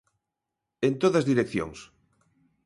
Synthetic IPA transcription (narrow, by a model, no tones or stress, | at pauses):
ent̪oðazðiɾekθjo̰ŋs